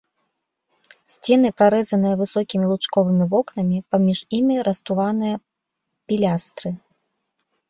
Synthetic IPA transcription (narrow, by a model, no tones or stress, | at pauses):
sʲt͡sʲɛn̪ɨpɾaɾɛzɐn̪ɨjɐvɨsɔkʲimʲilˠut͡ʂkɔvɨmʲivɔknɐmʲipamʲiʂimʲiɾɐst̪uvanɨjɐ | pʲilʲast̪ɾɨ